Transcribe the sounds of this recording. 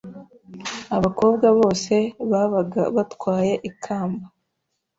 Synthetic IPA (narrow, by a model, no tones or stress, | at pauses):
aβako̞ːb̚ɡaβo̞ːse̞βaβatkwaːje̞ʔikʰaːmba